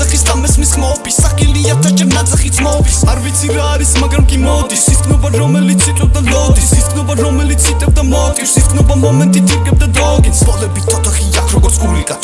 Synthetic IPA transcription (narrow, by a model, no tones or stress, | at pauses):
aχisd̪amɛsmisχmaɔbisːaχʼiliaɾt̪ʰad͡ʒɛɾnat̪sʼaχit̪sʰmɔvisaɾvit̪sʰiɾaːɾismaɡɾamkʼimɔd̪isinɔbaɾɔmɛlit̪sʰik̪ʼɛb̚d̪ad̪ɔd̪isik̪ʰnɔbaɾɔmɛlit̪sʰit̪ʼɛb̚d̪amɔt̪ʼisit̪kʰnɔbamɔmɛnt̪ʼit̪ʰiqʼɛb̚d̪ad̪ɔɡinsɔlɛbit̪ʰːɔt̪ʰaχiakʰɾɔɡɔɾt̪sʰɡulikʼa